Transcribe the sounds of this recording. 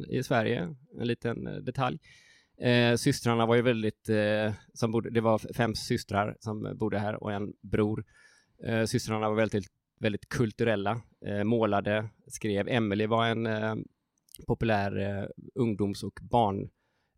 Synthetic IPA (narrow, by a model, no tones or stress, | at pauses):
ɪ̰svæɾjə̰ɛ̰nliːt̪ənd̪ɛt̪ʰalj | sʏst̪ɾaɳavaɾjəvɛld̪ɪt̪ | sɔmbʊːd̪əd̪ɛvaɾfɛmsʏst̪ɾaɾsɔmbuːd̪əɦæːɾɔ̰kɛnbɾuːɾ | sʏst̪ɾaɳavaɾvɛlɪ | vɛld̪ɪt̪kʰɵlt̪ɵɾɛlːa | moːlad̪əskɾeːvɛmːɪlɪvaɾɛn | pʰɔpɵlæːɾɵŋd̪ʊːmsɔkbɑːɳ